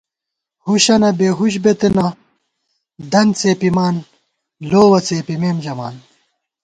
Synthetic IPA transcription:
huɕɐnɐbeːɦuɕ̬bet̪enɐ | d̪ɐnt͡seːpimaːn | loːwɐt͡seːpimeːmd͡ʑɐma̰ːn

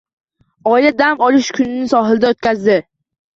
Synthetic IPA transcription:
ɒɪlad̪amɒlˠɪʃkʰʊnɪnɪsɒɦɪlɪd̪aot̪̚kʲazd̪ɪ

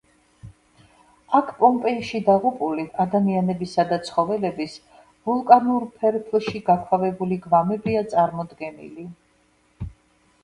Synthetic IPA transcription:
akʰpʼɔmpʼɛiʃid̪aʁupʼuliad̪amianɛbisad̪at̪sʰχɔvɛlɛbis | vulˠkʼanuɾpʰɛɾpʰlˠʃiɡakʰwavɛbuliɡvamɛbiat̪sʼaɾmɔd̪ɡɛnḭli

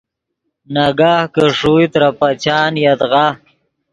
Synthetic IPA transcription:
naɡaːhkəʂujt̪ɾapat͡ɕaːnjat̪ʁa

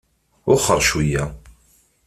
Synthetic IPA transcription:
ʊχəɾˤʃujæ

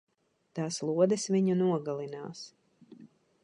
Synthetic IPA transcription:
t̪aːslˠuɔd̪ɛsviɲunuɔɡalˠina̰ːs

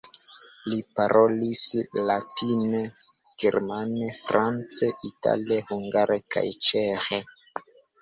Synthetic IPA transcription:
lipaɾʔolislatine | ɡeɾmanefɾant͡seʔita̰liehuŋɡaɾeka̰jt͡ʃexe

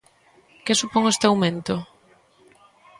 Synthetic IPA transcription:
kɪsupoŋest̪ɪawmẽnt̪o

